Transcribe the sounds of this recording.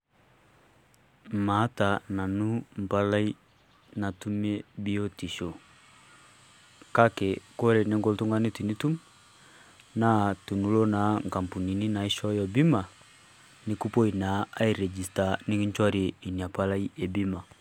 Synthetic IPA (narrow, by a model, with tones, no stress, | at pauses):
ma˨˦ta˨na˨nu˦m̩˨pa˦la˦i˦ | na˨tu˦mɛ˦bi˦ɔ˦ti˨ʃɔ˨ | ka˦kɛ˨kɔ˦ɾɛ˨nɛ˦ŋɡɔ˦ltu˦ŋɡa˦ni˦ti˨ni˦tu˦m | na˦˨tu˨nu˦lɔ˦na˨˦ŋɡa˨mpu˨ni˨ni˦na˨i˦ʃɔ˦jɔ˨bi˦ma˨ | ni˨ku˦pɔ˦i˨na˨a˦i˨ɾɛ˨d͡ʒi˨sta˨ni˦ki˦ɲt͡ʃwa˦ɾi˨i˨ni˨a˨pa˦la˦i˦ʔɛ˨bi˦ma˨